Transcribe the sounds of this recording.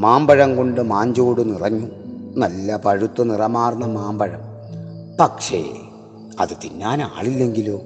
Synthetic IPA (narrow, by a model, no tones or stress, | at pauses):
maːmbɐɻɐmko̞ɳɖɨmaːɲd͡ʑoːɽɨnirɐɲːunɐlːɐpɐɻut̪ːunirɐmaːrnːɐmaːmbɐɻɐm | pɐkʂḛ | ɐ̰ðɨt̪inːaːna̰ːɭilːe̞ŋɡiloː